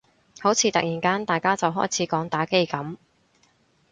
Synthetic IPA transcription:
ho˨˥wt͡sʰiː˨˧˥t̪ɐ˨k̚jiː˨˩nkaː˥nt̪aː˨jkaː˥t͡sɐ˨wɦɔː˥jt͡sʰiː˨˥kɔː˨˥ŋt̪aː˨˥ke˥jkɐ˨˥m

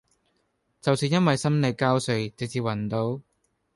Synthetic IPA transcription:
t͡sɐ˨wsiː˨˧njɐ˥nwɐ˨jsɐ˥mne˨˧jkaː˥wsɵ˨˧ɥt͡sɪ˨k̚t͡siː˧wɐ˨˩nt̪o˨˥w

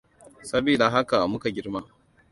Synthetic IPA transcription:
sɐ˦biː˨da˨ɦa˦ka˨ʔa˨mʊ˦ka˨ɡʲɪ˦rmaː˦

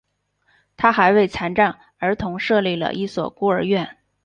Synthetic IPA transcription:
t̪ʰa˥xa˧˥ɪwe˥˩ɪt͡sʰa˧˥nʈ͡ʂa˥˩ŋ | ə˞˧˥t̪ʰʊ˧˥ŋʂɤ˥˧li˥˩lə̰˩ʔi˥˩swɔ̰˨˩ku˥ə˞˧˥ɥɛ˥˩n

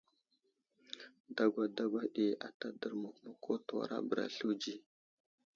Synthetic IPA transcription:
da˦ɡʷa˨da˦ɡʷa˦ɗi˨a̰˨ta˦də˨ɾma˨kma˨kʰo˦tu˨wa̰˨ɾa̰˦bə˨ɾa̰˨ɬu˦d͡ʒi˦

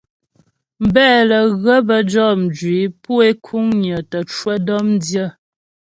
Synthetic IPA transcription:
m̩˨bɛː˦˨lə˨ɣə˦bə˨d͡ʒɔ˦˨n̩˨d͡ʒɥwi˨˦pu˦e˦kʰu˦ŋɲə˨tə˨t͡ʃwə˦dɔ˦mn˦djə˦˨

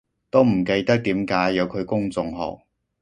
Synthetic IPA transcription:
t̪o˥wm̩˨˩ke˧jt̪ɐ˥k̚t̪iː˨˥mkaː˨˥jːɐ˨˧wkʰɵ˨˧ɥkʊ˥ŋt͡sʊ˧ŋɦɔ̰ː˨˩k̚

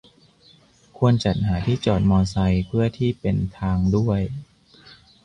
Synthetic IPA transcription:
kʰu˧ənt͡ɕa˨˩t̪̚haː˩˦t̪ʰiː˥˩t͡ɕɔː˨˩t̪̚mɔː˧nsa˧jpʰɯ˥˩ət̪ʰiː˥˩pe˧nt̪ʰaː˧ŋdu˥˩əj

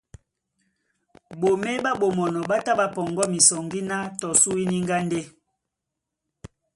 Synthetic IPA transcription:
bo˨me˦ba˦ɓo˨mɔ˨nɔ˨ɓa˦ta˦ba˨pɔ˨ŋɡɔ˦mi˨sɔ˨ŋɡi˦na˦tɔ˨su˦i˦ni˦ŋɡa˦nde˦

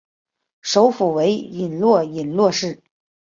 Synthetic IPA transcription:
ʂo˧˥ʊfu˨˩we˧˥ɪi˨˩nlwɔ˥˩i˨˩nlwɔ˥˧ʂɻ̩˥˩

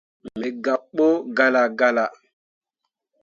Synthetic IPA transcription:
mɛ˨ɡa˨ɓo˦ɡa˦la˨ɡa˦la˨

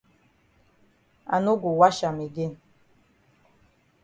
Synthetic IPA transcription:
a̰˨no˦ɡu˨wa˦ʃa˨mi˨ɡe˦n

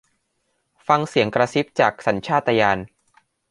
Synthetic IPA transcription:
fa˧ŋsi˨˩˦əŋkɾa˧si˦˥p̚t͡ɕaː˨˩k̚sa˩˦nt͡ɕʰaː˥˩t̪ːa˧jaː˧n

